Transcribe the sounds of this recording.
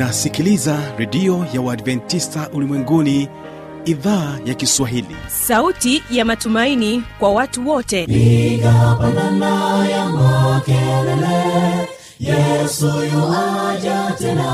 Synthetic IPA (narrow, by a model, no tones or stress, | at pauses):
nasikilizaɾɛɗiɔjawaːdvɛntistaʔulimwɛŋɡuni | iðaːjakiswaɦilḭsautijamatumainikwawatuwɔtɛikapananajamakɛlɛlɛ | jɛsujɔwad͡ʒatɛna